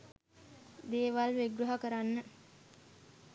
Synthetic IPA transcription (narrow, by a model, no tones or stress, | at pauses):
d̪eːʋalʋeɡɾuɦəkəɾanːə